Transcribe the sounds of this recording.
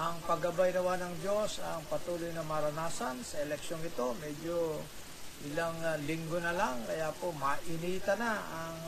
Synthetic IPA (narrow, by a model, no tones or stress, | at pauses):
ʔɐŋpɐɡɐbajnɐwanɐŋd͡ʒo̞sɐŋpɐt̪uːlʊjnɐmɐɾɐnaːsɐnsɐʔɛlɛkʃonɪt̪o̞mɛd͡ʒo | ʔɪlaŋlɪŋɡonɐlaŋkɐjaːpomɐʔɪniːt̪ɐnaɐŋ